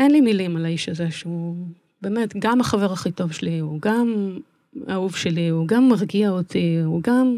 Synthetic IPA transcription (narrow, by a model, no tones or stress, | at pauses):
enlimilimalaiʃaze̞ʃeu | be̞ːme̞tɡamaχave̞ʁaχito̞vʃeliuɡam | auvʃeliuɡamːaʁɡiaotiuɡam